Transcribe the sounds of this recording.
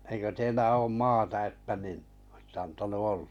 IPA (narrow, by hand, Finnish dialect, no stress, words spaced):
eikø teilːæ oːm mɑːtɑ etːæ nin ŏsĭtː ɑntɑnu ol̥ːɑ̥